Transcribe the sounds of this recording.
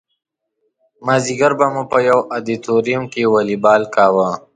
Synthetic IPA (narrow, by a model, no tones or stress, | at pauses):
maːziɡɐɾbɐmupɐjɐwad̪it̪oɾijmkewalibaːlkaːwa